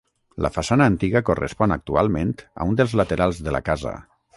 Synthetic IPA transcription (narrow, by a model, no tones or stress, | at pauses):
lʔə̰fasanəːnt̪iɣəkorḛspɔnak̚t̪ua̰lˠmẽnt̪ə̰und̪əlˠzlat̪eɾalˠzðəla̰kazə̰